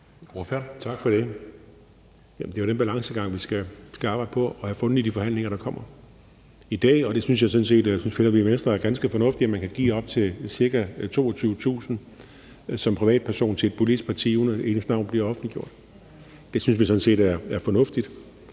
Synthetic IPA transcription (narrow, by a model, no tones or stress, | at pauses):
t͡sʰɑ̈ɡ̥fɒɾ̥e̝ | jæmnd̥e̝joɾ̥enb̥ælɑ̈ŋsəɡ̥ɑ̈ŋ̰ʋisɡ̥æsɡ̥æɑ̈b̥ɑ̈ɪd̥pʰɒ̽ɒ̽hæfɔ̽nð̩ˠid̥ifɒ̽hæn̰le̝ŋɐɾ̥ɑ̈kʰɒ̽m̰ɐ | id̥ɛ̰ːɒ̽d̥e̝syns̬jɑ̈ɪsɒ̽n̩se̝̰ːd̥synsfe̝nɐʋimensd̥ʁɐæɐɡ̥ænsɡ̥əfɒ̽nɔ̽fd̥iæmænkʰæɡ̥ḭːɒ̽b̥̚t͡sʰe̝siɐɡ̥æt͡sʰo̝̰ːɒt͡sʰyːʊət͡sʰṵːsn̩ | sɒ̽mpʰʁiʋɛ̰ːd̥̚pʰæɐso̝̰ːnt͡sʰe̝e̝d̚pʰolid̥is̚pʰɑ̈t͡sʰḭunəe̝ːnəsd̥nɑ̈ʊ̰nb̥liɐɒ̽fn̩liɡ̥jo̝ɐ̰d̥ | d̥e̝syns̬ʋisɒ̽n̩se̝̰ːdæɐæɐfɒ̽nɔ̽fd̥id̥